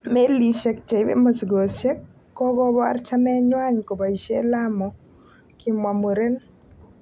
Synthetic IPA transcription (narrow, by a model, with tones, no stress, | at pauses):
me˦li˨ʃɛ˦k̚t͡ʃe˨ɪbḛ˦mo˨sɡo˨se˦kː | ɔ˦ɡɔ˦ba̰˦rt͡ʃa˦mɛ˦ɲwa˦ɲko˨ba˨i˨ʃe˦la˦mɔ˨ | ki˦mwa˨mo˨ɾe˦n